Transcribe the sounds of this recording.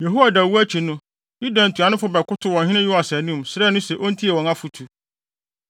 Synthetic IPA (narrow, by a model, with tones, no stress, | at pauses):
je˨ɦo˦wa˨da˨wu˦æ˦t͡ɕʰi˨nʊ̃˦ | nĩ˦dã˨n̩˨tʰu˨a˨nʊ̃˦fʊ˦bɛ˨kʊ˦tʰʊ˦wɔ̃˨ɦɪ̃˦nɪ̃˦jʊ˦a˨sɛ˨nũ˦msɾɛː˦nʊ̃˦sɛ˨ʔo˦n̩˦tʰi˦ɛ˨wɔ̃˨nã˦fu˨tʰu˨